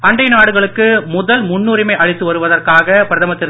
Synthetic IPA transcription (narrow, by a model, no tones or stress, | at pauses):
ɐɳɖɐɪnaːɽɯɣɐɭɯkːɯmʊðɐlmʊnːuːɾɪmɐɪʔɐɭɪt̪ːɯʋɐɾɯʋɐðɐrkaːɣɐpɪɾɐðɐmɐt̪ːɪɾ